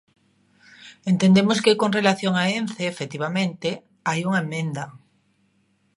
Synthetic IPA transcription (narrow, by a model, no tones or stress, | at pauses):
ent̪end̪emoskekonrelaθjoŋaenθeːfet̪iβ̞amẽnt̪e | ajuŋaemːẽnd̪a